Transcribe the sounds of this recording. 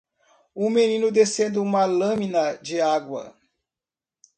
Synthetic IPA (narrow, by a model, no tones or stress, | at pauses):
ʊmẽnĩnʊd̪esẽnd̪ɪũmɐlɐ̃mĩnɐd͡ʒɪaɡwɐ̰